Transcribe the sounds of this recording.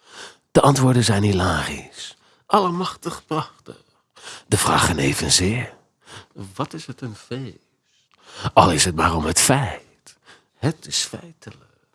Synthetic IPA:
d̥əʔɑntʋʊːɹdənzɛjnilaːχḭs | ʔɑləmɑχtəχplɑχtə | d̥əv̥ra̰ːχənejvənzɪːɹ | ʋɑtɪsɦətənve | s | t | ɑ̰lˠɪsɦət̚maːrɔmɦətfɛj | t | ɦətɪsfɛjtələk

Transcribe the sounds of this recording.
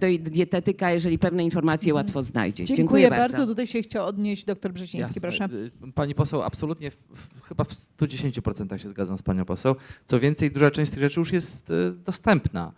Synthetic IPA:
t̪ɔid̪ʲjɛt̪ɛt̪ɘkajɛʐɛlʲipɛvnɛinfɔɾmat̪sʲjɛwat̪fɔzna̰jd͡ʑɛ̰d͡ʑd͡ʑɛŋkujɛɛbaɾaɾzzɔt̪ut̪ajɕɛxt͡ɕawɔd̪ɲeʑd͡ʑd̪ɔk̚t̪ɔɾbʐɛɕĩj̪̃skʲipɾɔʂapaɲipɔsɛwa̰psɔlut̪ɲɛfxɘbafst̪ud͡ʑeɕeɲt͡ɕupɾɔt̪sɛnt̪axɕɛzɡad̪zãm̃spaɲɔ̃w̃pɔsɛwt̪sɔvʲjɛnt̪sɛjd̪uʐat͡ʂɛ̃w̃sʲt̪ɘɣʐɛt͡ʂɘjuʂjɛst̪d̪ɔst̪ɛmpna̰

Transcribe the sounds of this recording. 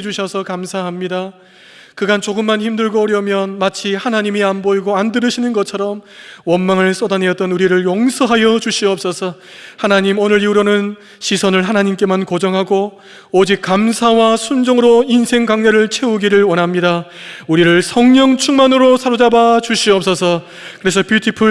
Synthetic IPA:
d͡ʑuɕʰʌsʰʌkamsʰaɦamɲida | kɯɡant͡ɕoɡɯmːançimdɯɭɡoʌɾjʌmjʌnmat͡ɕʰihanaɲimianboiɡoandɯɾɯɕʰinɯnɡʌt͡ɕʰʌɾʌmwʌnmaŋɯɭs͈ʌdane̞jʌt͈̚ʌnuɾiɾɯɭjoŋsʰʌɦajʌt͡ɕuɕʰiʌp̚s͈ʌsʰʌ | hanaɲimonɯɾiuɾonɯn | ɕʰisʰʌnɯɭɦanaɲimk͈e̞mankod͡ʑʌŋɦaɡo | od͡ʑik̚k͈amsʰawasʰund͡ʑʌŋɯɾoinsʰe̞ŋɡaŋɲeɾɯɭt͡ɕʰe̞uɡiɾɯɭwʌnɦamɲida | uɾiɾɯɭsʰʌŋɲʌŋt͡ɕʰuŋmanɯɾosʰaɾod͡ʑabat͡ɕuɕʰiʌp̚s͈ʌsʰʌ | kɯɾe̞sʰʌpjutʰipʰɯ

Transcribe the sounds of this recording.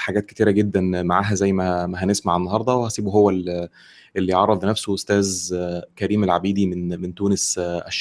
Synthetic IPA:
ħaɡæːt̪̚ket̪iːɾæɡed̪ːænmaʕaːɦæzæjːmæmæɦænesmaʕenːɑɦɑɾˤd̪ˤɑwehæsiːbuɦowːæl | ʔelːiʕɑrˤːɑd̪ˤnæfsoʔost̪æːzkæɾiːmælʕabiːd̪imenment̪uːnesʔæʃː

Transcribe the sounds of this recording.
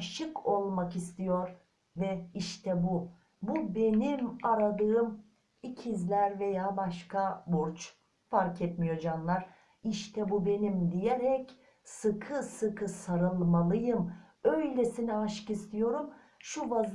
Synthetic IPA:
ʃɯkʰo̞lˠmakist̪ʰijo̞ɾ | vɛiʃt̪ʰɛbu | bube̞nimaɾad̪ɯːm | icʰizlʲæɾve̞jaːbaʃkʰabuɾt͡ʃ | faɾkʰɛt̪mijo̞d͡ʒanlˠaɾ | iʃt̪ʰɛbube̞nimd̪ijeɾɛc | sɯkʰɯsɯkʰɯsaɾɯlˠmalˠɯjɯm | øjlʲɛsinɛaʃɯ̥kist̪ʰijo̞ɾum | ʃuvaz

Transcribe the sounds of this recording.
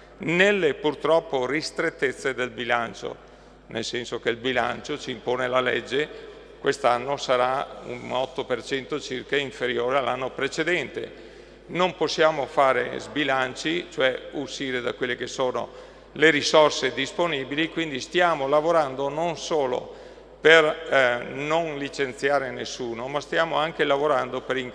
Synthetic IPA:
nelːepurt̪ɾɔpːorist̪ɾet̪ːet̪sːed̪elbilant͡ʃo̰ | nelsɛnsokeilbila̰nt͡ʃot͡ʃiːmpoːnelalɛ̰d͡ʒːe | kwest̪anːosaɾaṵnɔt̪ːopert͡ʃɛnt̪ot͡ʃirkaiɱfeɾjoːɾealːanːopɾet͡ʃed̪ɛnt̪ḛ | nomposːjaːmofaːɾḛzbilant͡ʃit͡ʃoɛuʃiːɾed̪akwelːekesoːno̰ | leɾisorsed̪isponibilikwind̪ist̪jaːmolavoɾand̪ononsoːlo̰ | per | nonlit͡ʃent̪sjaːɾenesːuːnomast̪jaːmoaŋkelavoɾand̪opeɾiŋk

